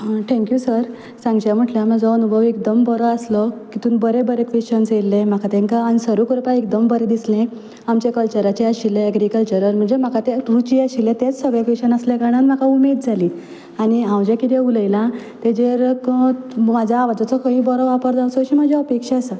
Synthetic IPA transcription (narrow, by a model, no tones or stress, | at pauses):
ʈʰɛ̃ŋkjusəɾ | sãŋɡd͡ʑjam̤əʈljamad͡zɔənubʱəʋek̚d̪əmbɔɾɔaslɔkit̪uːnbəɾebəɾekʋeɕənselːẽm̤akat̪ẽŋkaːñisəɾukɾpaek̚d̪əmbəɾed̪islẽ | amt͡ɕekəlt͡ɕəɾat͡ɕeaɕilːeːɡɾikəlt͡ɕəɾəɾm̤əɳd͡zem̤akat̪eɾut͡ɕiaɕilẽt̪et͡ssəɡɭekʋeɕənasleɡaɽ̃anm̤akaumed̪̚d͡zʱaliː | añiɦãwd͡ʑekit̪euləjlã | t̪ed͡ʑeɾkmad͡ʑʱaːʋad͡zɔt͡sɔkʰə̃ɦĩbɔɾɔʋapəɾd͡z̪asɔɕiːm̤ad͡ʑʱeəpekʂaasə